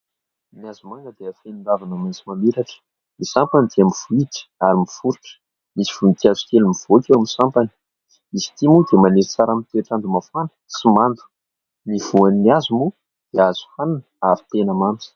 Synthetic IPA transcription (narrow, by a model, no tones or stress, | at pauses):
niazumanəd̪eafeninɖ͡ʐ̪avanəmant͡simameɾaʈ͡ʂə̥ | misampanid̪eamiv̥uit̪ə̥aɾimifuɾiʈ͡ʂə̥ | misi̥v̥unit̪iazu̥kelimiv̥oakewamsampani̥ | izi̥t̪imud̪emaneɾit͡saɾamit̪eʈ͡ʂand̪umafanə̥simand̪u̥ | niv̥uaniniazumu | d̪̥eazu̥fananəaɾit̪enəmant͡si̥